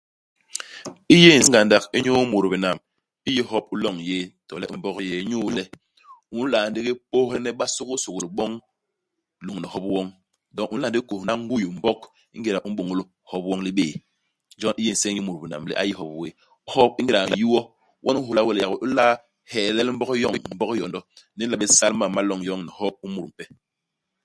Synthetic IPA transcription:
i˦je˦˨n˨sɡa˨nda˨ki˦ɲu˦mu˨ɾbi˨na˨m | i˦ji˦hɔ˦p̚u˦lɔ˦˨ŋje˦tɔ̰˨lɛ̰˦ʔm̩˨bɔ˦kje˦ɲu˦lɛ˦ | u˦n˦la˨n˦di˦ki˦po˦hlɛ˦nɛ˦ɓa˦su˦ku˦su˨kli˨ɓɔ˦ŋ | lu˨ŋ˨nɛ˨hɔ˦pwɔ˦ŋ | dɔ˦ŋu˦la˨n˦di˦ko˨na˦ŋ˦ɡu˦ju˨m̩˨bɔ˦k | ḭ˦ŋɡe˨ɾa˨ʔu˦ɓo˨ŋu˦lo˦ | hɔ˦p̚wɔ˦ŋli˦ɓeː˦˨ | nd͡ʒɔ˦ni˦ji˦n̩˨sɛ˦ɲi˦mu˨ɾbi˨na̰˨mlɛ̰˦ʔa˦ji˦hɔ˦pwe˦ | hɔ˦p̚i˦ŋɡi˦˨ɾa˨ju˦wɔ˦ | wʔɔ˦nu˦ɦu˨la˦wɛ˦˨lja˨ko˨ʔu˦la˦ | hɛ˨lɛ˦lm̩˦bɔ˦kjɔ˦˨ŋ˨m̩˦bɔ˦kjɔ˨ndɔ˦ | ni˦la˨ɓe˦sa˦lma˨ma˦lɔ˦˨ŋjɔ˦ŋni˨hɔ˦p̚u˦mu˨ɾm̩˨pɛ˦

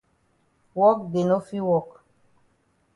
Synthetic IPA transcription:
wɔ˦k̚ɡe˨no˦fi˦wɔ˦˨k

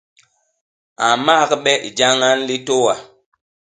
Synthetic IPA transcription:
a˨ma˦kɓɛ˦ʔḭ˨d͡ʒa˦ŋa˦nli˦to˦wa˨

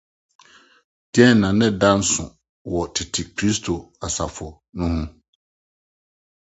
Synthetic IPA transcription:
d̥i˦ɛ˦nː˨ã˨nɪ̃˦dã˦n˦sʊ̰̃˨ | wɔ˨tʰɪ˨tʰɪ˨kʰɾi˦stʰo˨a˨sa˨fʊ˨ | nʊ̃˦hʊ̃˦

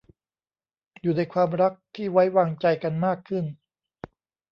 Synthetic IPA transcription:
juː˨˩na˧jkʰwaː˧mɾa˦˥k̚t̪ʰiː˥˩wa˦˥jwaː˧ŋt͡ɕa˧jka˧nmaː˥˩kʰːɯ˥˩n

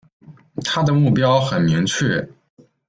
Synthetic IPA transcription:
t̪ʰa˥d̪ə˨mu˥˩pjɑ˥ʊxə˨˩nmi˧˥ŋt͡ɕʰɥɛ˥˩

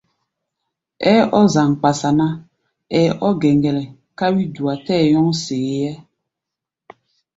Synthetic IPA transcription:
ɛ˦ɔ˦za˨ŋk͡pa˨sa˨na˦ | ɛ˨˦ʔɔ˦ɡɛ˨ŋɡɛ˨lɛ˨ | ka˦wi˦du˨a˨tɛː˦˨jɔ˦ŋseː˨jɛ˦

